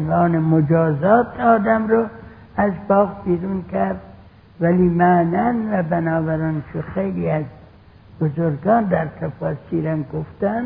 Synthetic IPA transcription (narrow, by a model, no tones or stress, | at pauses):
nvɑːnemod͡ʒɒːzɒːt̪ʰɒːd̪æmɾo | æzbɒːɣbiːɾuːnkʰæɾd̪̚ | væliːmaːnænvæbænɑːbæɾɑːnʃoxejliæz | b̥ozoɾɡɑːnd̪æɾt̪ʰæfɑːsiːɾæmɡoft̪æn